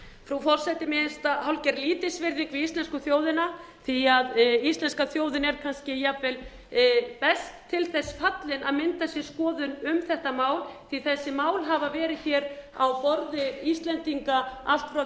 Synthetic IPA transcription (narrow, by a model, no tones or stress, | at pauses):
fɾufɔr̥sɛjt̪ɪmɪðɪst̪ahawlcɛɾliːt̪ɪsvɪɾðiŋkvɪist̪lɛnskʏθjoːwðɪna | θiaðist̪lɛnskaθjoːwðɪnɛɾ̥kʰanscɪjapvɛl | pɛst̪ʰːɪlθɛsːfat̪lɪnʔaðmɪnt̪asjɛ̥skɔːðʏnʏmθɛht̪amaːwlθiθɛsːɪmaːwlɦavavɛːɾɪðçɛːɾa̰wpɔɾðɪist̪lɛnt̪iŋkaa̰l̥t̪fɾa